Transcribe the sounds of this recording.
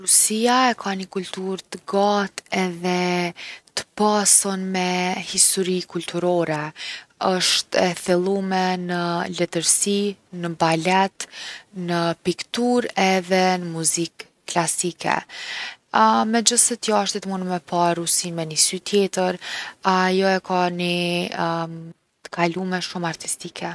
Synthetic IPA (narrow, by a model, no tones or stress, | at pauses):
ɾusiaɛkʰanəkult̪uɾt̪əɡat̪ɛðɛ | t̪ə̥pasɔnmɛhist̪ɔɾikult̪ʰuɾɔɾɛəʃt̪ɛθɛlˠumɛnəlɛt̪əɾsinəbalɛt̪nəpikt̪uɾɛðɛnəmuzikː | lasikʰɛ̰ | mɛd͡ʒəsɛt̪jaʃt̪it̪munmɛpʰaɾusinmɛnisyt̪jɛt̪əɾajɔɛkani | t̪ə̥kʰalumɛʃumaɾt̪ist̪ikʰɛ